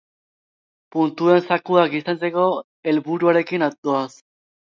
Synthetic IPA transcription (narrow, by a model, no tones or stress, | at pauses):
punt̪ue̞nsakuakisant͡se̞ko̞ | e̞lβuɾuaɾe̞kinat̪oas